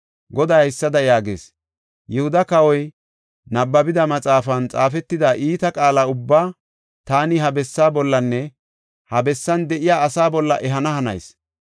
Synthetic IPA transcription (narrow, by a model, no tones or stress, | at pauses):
ɡɔd̪ɐjhɪsːɐd̪ɐjaːɡḛːs | jɛhʊd̪ɐkɐwɔj | nɐbːɐbɪd̪ɐmɐt͡sʼaːfɐnt͡sʼaːfɛt̪ːɪd̪ɐʔiːt̪ɐkʼaːlaʊbːaː | t̪aːnɪɦɐbɛsːaːbɔlːɐnːɛ | hɐbɛsːɐnd̪ɛʔɪjaːɐsaːbɔlːɐ̰ʔɛɦɐnɐhɐnɐ̰js